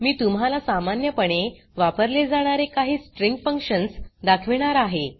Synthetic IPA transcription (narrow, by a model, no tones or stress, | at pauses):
miːt̪umɦalasamanjəpəɽ̃e | ʋapəɾled͡zaɽ̃aɾekaɦiːsʈɾĩŋɡfəŋkʂənsd̪akʰʋiɽ̃aɾaɦe